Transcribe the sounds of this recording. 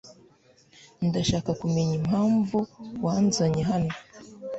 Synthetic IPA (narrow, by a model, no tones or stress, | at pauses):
ndaʃakakumeɲim̥haːɱvuwanzaɲeɦano